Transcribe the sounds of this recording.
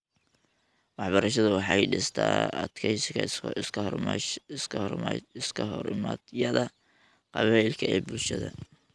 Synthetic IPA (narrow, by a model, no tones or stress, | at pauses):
wɑħbɐɾɐʃɐðʊwɑħɑjɖɪst̪ʰa̰ːɐ̰d̪kʰɛjskʰɐ | ɪsʰɪskʰɐɦɔɾɪma̰d̪jɐðɐ | qɑβɛjlkʰɐɛːbʊlʃɐðɐ̰